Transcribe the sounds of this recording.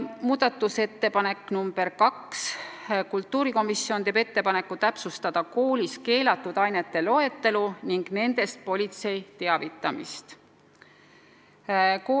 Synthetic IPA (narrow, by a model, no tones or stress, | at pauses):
muːd̪̥ɑt̪ːˑuse̞t̪ːe̞pɑne̞kːˑnumb̥e̞rkɑkskult̪ˑːuːɾiko̞misːjo̞ne̞be̞t̪ːe̞pɑne̞kːˑut̪æpsust̪ɑd̪̥ɑko̞ːlʲiske̞ːlɑt̪ːˑud̪̥ɑjne̞t̪ːe̞lo̞e̞t̪ːe̞luniŋɡ̥ne̞nd̪̥e̞st̪̚po̞lʲit̪se̞jt̪e̞ɑvit̪ːˑɑmḭst̪ | kː